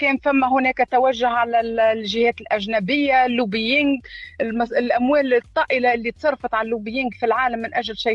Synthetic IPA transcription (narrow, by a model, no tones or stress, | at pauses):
kɛːnfæmːæɦʊnɛːkæt̪awæʒːʊɦʕalæʒɪhɛːt̪ɪlʔæʒnæbɪjːalːuːbijɪŋɡmɑlʔæmwɛːlt̪ˤːɑːʔɪlaʔɪlːit̪sˤɑrˤːfɑt̪ˤʕallːuːbɪjiŋɡfilʕaːlamːɪnʔæʒlʃaj